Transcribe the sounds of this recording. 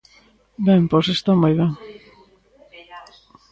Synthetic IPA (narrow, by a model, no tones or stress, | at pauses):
bɛmposest̪omojβeŋ